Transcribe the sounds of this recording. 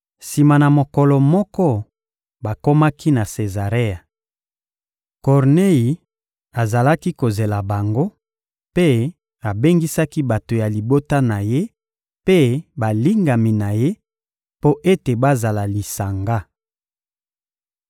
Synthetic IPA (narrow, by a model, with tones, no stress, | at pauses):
si˨ma˨na˨mo˨kɔ˨lɔ˨mɔ˦kɔ˦ | ba˨ko˦ma˦kʰi˦na˨se˨za˨ʁe˦a˨ | kɔ˨ʁne˦ji˨ | a˨za˨la˦ki˦ko˨ze˨la˨ba˨ŋɡo˦ | pe˦ | a˨be˦ŋɡi˦sa˦ki˦ba˨to˨ja˨li˨bo˦ta˦na˨je˦ | pe˦ba˨li˦ŋɡa˨mi˨na˨je˦ | po˦ʔe˦te˨ba˦za˨la˨li˨sa˨ŋɡa˦